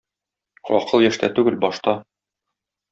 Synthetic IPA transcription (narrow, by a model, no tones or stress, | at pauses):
ɒqɤlˠjæʃt̪æ̰t̪ʉɡɘlbɒʃt̪ɑ